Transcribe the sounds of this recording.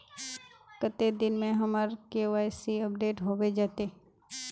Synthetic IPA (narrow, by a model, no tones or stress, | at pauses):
kət̪ed̪ɪnmẽɦɐməɾkeoʋaːjsiəp̚ɖeːʈɦobed͡ʒaːt̪eː